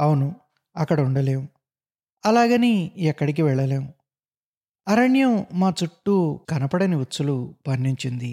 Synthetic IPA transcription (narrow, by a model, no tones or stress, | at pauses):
ɐwunu | ɐkːɐɽɐuɳɖɐleːmu | ɐlaːɡɐniɛkːɐɽik̬iʋɛɭːɐle̞ːwu | ɐɾɐɳjɐmmaːt͡ʃuʈːukɐnɐpɐɽɐniʋutːt͡sːulupɐnːiɲt͡ʃind̪i